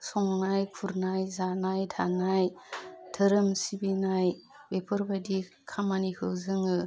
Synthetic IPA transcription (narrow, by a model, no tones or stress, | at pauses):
sɔŋnajkʰuɾnajzanajdʰanajtʰɯɾɯmsibinaj | bepʰɯɾbadi | kʰamanihɯwzɯŋɯ